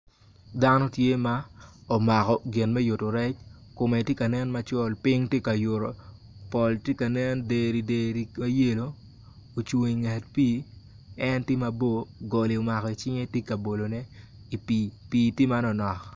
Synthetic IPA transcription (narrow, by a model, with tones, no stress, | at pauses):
da˦nɔ˦tje˦ma˦ɔ˨ma˨kɔ˨ɡɪ˨nmɛ˦jo˨to˨ɾɛ˦t͡ʃko˨me˨tje˦ka˨nɛ˦nma˨˦t͡ʃɔ˦lpɪ˦ŋtje˦ka˨jo˨ɾo˨ | pɔ˨ltje˦ka˨nɛ˦nde˨ɾi˨de˨ɾi˨ma˦je˦lo˨ | o˨t͡ʃo˨ŋi˨ŋɛ˨tpiː˦ | ɛ˦ntɪ˦ma˨bo˦ɡo˨li˨o˨ma˨kɔ˨i˨t͡ʃɪ˦ŋe˦tje˦ka˨bo˨lo˨nɛ˦ | i˨pipiː˨ti˦ma˦nɔ˨nɔ˨k